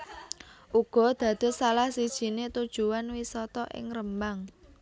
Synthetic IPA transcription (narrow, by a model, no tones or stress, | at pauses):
ʔuɡ̥ɔ̤d̪̥ä̤d̪̥ʊ̤salahsid̥ʒ̥i̤net̪ud̥ʒ̥ṳwanwisɔt̪ɔʔɪ̰ŋrəmbaŋ